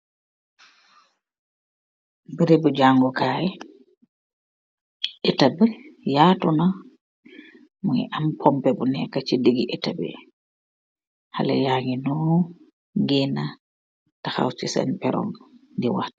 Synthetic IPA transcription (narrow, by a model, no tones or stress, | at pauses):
biɾebɔd͡ʒaŋɡɔkaːjɛ | ʔɛtabɛjaːtuna | muɛ̰ʔampʰɔmpɛbɔnɛkːat͡ʃideɡiʔɛtabɛ̰ | ha̰lɛ̰jaŋinɔ | ɡɛna | taxa̰wt͡ʃisa̰npɛɾɔ̰ŋdiwa̰t